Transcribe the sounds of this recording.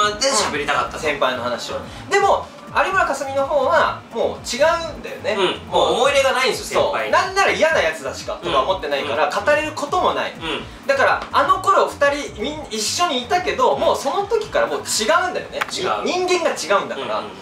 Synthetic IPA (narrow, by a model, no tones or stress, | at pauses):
eɕabeɾʲit̪aka̰t̪ːasẽ̞mpaino̞hanaɕio | d̪e̞mo̞ | aɾʲimɯɾakasɨmʲino̞ho̞ːɡamo̞ːt͡ɕiɡaɯ̟̃nd̪ajo̞̰ne̞moːomo̞iɾe̞ɡanaĩnsosso̞ːnãnːaɾaijanajat͡sɨd̪aɕi̥ka̰t̪o̞kaomo̞t̪ːe̞naikaɾakat̪aɾe̞ɾɯ̟ko̞t̪o̞mo̞na̰ḭ | d̪akaɾaano̞ko̞ɾo̞ɸɯ̟̥t̪aɾʲimʲĩnːiɕːo̞ɲ̟iːt̪ake̞d̪o̞mo̞ːso̞no̞t̪o̞kʲi̥kaɾamo̞ːt͡ɕiɡaɯ̟̃nd̪ajo̞̰net͡ɕɲĩŋɡẽ̞ŋɡat͡ɕiɡaɯ̃nd̪akaɾa̰